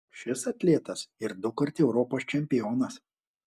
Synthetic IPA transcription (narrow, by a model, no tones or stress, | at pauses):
ʃʲɪsɐt̪ʲlʲiɛt̪ɐsɪɾd̪ʊkɐɾʲt̪ʲɛʊɾɔːpoːst͡ʃʲɛmʲpʲɪjɔːnɐs